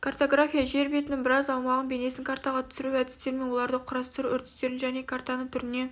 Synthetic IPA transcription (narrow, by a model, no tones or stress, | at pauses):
kʰart̪o̞ɡrafʲijaʒe̞ɾbet̪ɪnɪŋbɪɾɑzɑwmɑʁənbe̞ne̞sɪŋkʰart̪ɑʁɑt̪ʰʏ̥sɪɾuæd̪ɪst̪e̞ɾme̞nwo̞lˠɑɾd̪əqʰʊɾɑst̪ɾuʔʏɾt̪ɪ̥st̪e̞ɾɪnʒæne̞kʰart̪ɑnət̪ʰʏɾɪne̞